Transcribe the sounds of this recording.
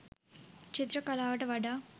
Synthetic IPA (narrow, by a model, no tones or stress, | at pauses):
t͡ʃit̪ɾɐkɐlaːʋɐʈɐʋɐɖɐ